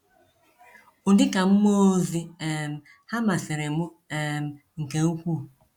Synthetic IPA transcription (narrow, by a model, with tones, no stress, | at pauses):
ʊ˨dɪ˦ka˨m̩˦mo˦zi˦e˨m̩˨ | ha˦ma˨sɪ˨ɾe˨mʊ˦ | e˨m̩˨ | ŋ̩˨ke˨u˦kʷu˦˨